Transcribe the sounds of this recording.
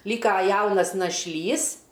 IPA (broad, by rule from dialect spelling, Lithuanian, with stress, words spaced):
ˈlʲiːkɐ ˈjɛʊnɐs nɐʃʲˈlʲiːs